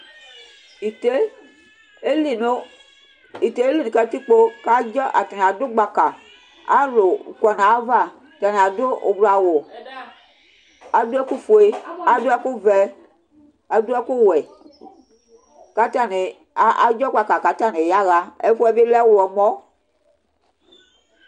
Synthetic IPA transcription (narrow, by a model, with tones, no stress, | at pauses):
i˨te˦ | e˦li˨no˨˦ | i˨te˨˦e˦li˦˨nu˨kɛ˨˦t̪i˦k͡po˦ka˦d͡ʒɔ˦ʔa˨ta˨n˨a˨do˦ɡ͡ba˨ka˨ | a̰˦lo˨kɔ˨nã˨˦va˦˨ | ta˨ne˨a˨do˦o˨bla˨wo˨ | a˨do˦ɛ˦ku˦fo˨e˦a˨do˦ɛ˦ku˦vɛ˦ | a˨dɛ˦ku˦wɛ˨ | ka˦ta˦ne˨˦ | a˨d͡ʒɔ˦ɡ͡ba˨ka˨ka˨ta˦˨ne˨ja˦ɣa˦ḛ˦fo˦ɛ˦be˦lɛ˦wo˨wɔ˨mɔ̃˦